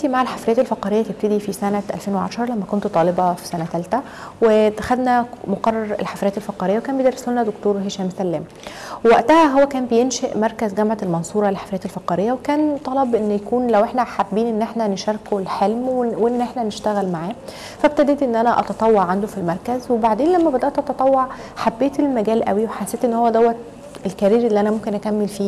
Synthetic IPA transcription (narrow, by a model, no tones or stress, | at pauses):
t̪imaʕalħafɾejæt̪elfɑqɑːɾejːæt̪eb̚t̪ed̪ifisænæʔæ̰lfeːnweʕa̰ʃɑɾˤlæmːækont̪t̪ˤɑːlebɑfi̥sænæt̪ælt̪æ | wet̪æxæd̪næmoqɑrˤːɑɾˤḛlħafɾejæːt̪elfɑqɑːɾejːæwekæːnbejd̪ɑɾːˤɑsolnæd̪okt̪oːɾˤɦeʃæːmsælːæːm | wæʔt̪æhæɦowːækæːmbejenʃeʔmɑɾˤkæzɡæmʕalmɑnsˤuːɾˤɑlelħḁfɾejæːt̪elfɑqɑɾejːæwekæːnt̪ˤɑlɑbʔenːjækuːnlæwʔeħnæħabːiːnʔenːʔeħnæneʃɑɾˤkolħelmwweʔenːʔeħnæneʃt̪æɣælmaʕaː | fæb̚t̪æd̪eːt̪ʔenːʔænæʔɑ̰t̪ɑt̪ˤɑwːɑʕʕand̪ofilmɑɾˤkæzwebaʕd̪eːnlæmːæbed̪æʔt̪ʔɑt̪ɑt̪ˤɑwːɑʕ | ħabːeːt̪elmæɡæːlʔæ̰wiweħasːeːt̪ʔenːhowːæd̪æwːæt̪ | elkæɾiːɾʔelːiʔænæmomkenʔækæmːelfiː